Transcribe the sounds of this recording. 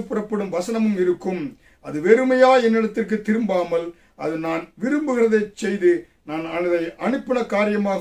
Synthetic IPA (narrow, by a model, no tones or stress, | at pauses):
pːɪrɐpːɐɽɯmʋɐsɐnɐmɯmɪɾɯkːɯm | ɐðɯʋɛɾɯmɐjaːɛnːɪɽɐt̪ːɪrk̬ɯt̪ːɪɾɯmbaːmɐl | ʔɐðɯnaːnʋɪɾɯmbɯɣɪrɐðɐɪt͡ʃːɛjðɯ | naːnɐnɪðɐɪʔɐnɯpːɪnɐkaːɾɪjɐmaːɣ